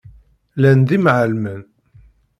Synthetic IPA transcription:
lænd̪imʕəlmən

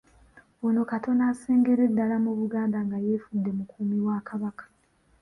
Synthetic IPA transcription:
wono̞kato̞naːseːŋɡeɾedːalamuβuɡaːndaŋɡaje̞ːfudːe̞mukʰuːmiwakaβakḁ

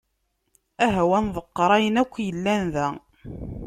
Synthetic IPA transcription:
æɦæwænðˤəqːɾˤæjənækʷːjəlːænðæ

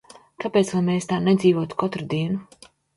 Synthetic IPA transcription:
kapeːt̪svajmeːst̪aːnɛd̪zʲiːvoɔːt̪u̥kʰɔt̪ɾud̪iɛnu

